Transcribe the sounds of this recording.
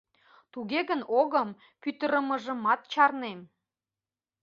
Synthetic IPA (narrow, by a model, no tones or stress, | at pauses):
t̪uɣeɣənoɣəm | pyt̪əɾəmə̆ʒə̆mɑt̪̚t͡ɕɑrnem